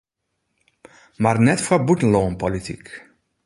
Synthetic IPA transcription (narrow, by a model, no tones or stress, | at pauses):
marnɛtfɔbutən̩loːnpolitʰḭk